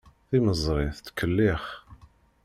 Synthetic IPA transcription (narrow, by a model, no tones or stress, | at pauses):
θiməzˤɾˤɪθt̪kʰəlːɪχ